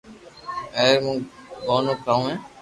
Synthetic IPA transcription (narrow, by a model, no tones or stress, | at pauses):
eːɾmũːɡoːnoːkaːũːɦẽː